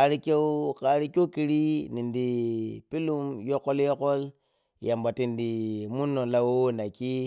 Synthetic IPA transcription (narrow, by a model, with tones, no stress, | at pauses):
a˨ɾi˦ke˦ka˨ɾi˦ko˦ki˨ɾi˦ni˨ndi˨pi˦lu˦mjo˦ko˦ljo˦ko˦l | ja˨mba˨ti˨ndi˨mu˦nːo˨la˦wo˦wo˦na˨ki˦